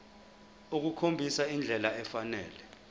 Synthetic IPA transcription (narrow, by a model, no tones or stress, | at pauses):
uk̬ukʰombʱisaind͡ɮʱɛlaɛfanɛ̰ːlɛ